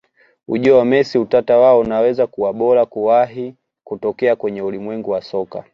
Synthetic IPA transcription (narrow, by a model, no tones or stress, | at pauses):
ṵʄɔamɛsiutatawaɔunawɛzakuwaɓɔlakuwaɦi | kutɔkɛakwɛɲɛulimwɛŋɡuwasɔka̰